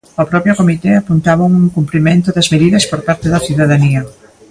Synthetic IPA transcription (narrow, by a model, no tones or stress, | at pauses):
ɔpɾɔpjokomit̪eapunt̪aβɐŋuŋkumpɾimẽnt̪ʊðɐzmeðiðɐspoɾpaɾt̪eðɐθiðaðaniɐ